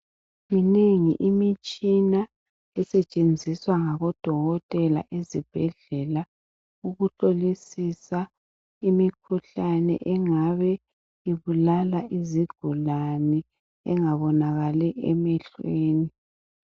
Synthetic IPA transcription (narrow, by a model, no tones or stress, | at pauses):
mineŋḭʔimit͡ʃʼina | ɛsɛt͡ʃʼend͡zʱiswaŋaɣɔd̥ʱɔɣɔtʼɛla̰ʔezib̥ʱɛɮɛla | uɣutolisisa | imikʰuɬanɛ̰ʔɛŋaβɛ | iβulalaʔiziɡ̥ʱulanɛ | ɛŋaβɔnaɣalɛʔɛmɛɬweːni